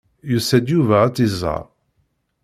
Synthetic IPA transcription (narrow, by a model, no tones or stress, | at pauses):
jusæd̪juvææt͡sːizːɑ̰ʁ